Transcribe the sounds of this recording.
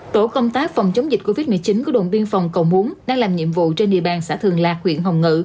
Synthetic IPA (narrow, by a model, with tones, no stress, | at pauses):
t̪o̰˧˩kə˧wŋ͡mt̪aː˨˦˥k̚fa˨˩wŋ͡mt͡ɕə˨˦wŋ͡mzi˨˩t̟̚ko˧vi˦˥t̚mɨ˨˩ət͡ɕi˨˦nkɔ˨˦ɗo̰˧˨nɓi˧ənfa˨˩wŋ͡mkə˨˩wmu˨˦ənɗaː˧ŋlaː˨˩mɲḭ˧˨əmvṵ˧˨t͡ɕe˧nɗḭ˧˨əɓaː˨˩nsaː˧˥t̪ʰɨ˨˩əŋlaː˨˩k̚hwḭ˧˨ənɦə˨˩wŋɨ̰˧˨